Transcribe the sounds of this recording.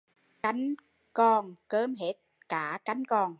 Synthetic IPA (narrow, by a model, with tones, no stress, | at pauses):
ka˨˦jŋ̟ | kɔ˧˩nkəː˨˦mɦe˦˥t̪̚ | kaː˧˩ka˨˧˦jŋ̟kɔ˧˩n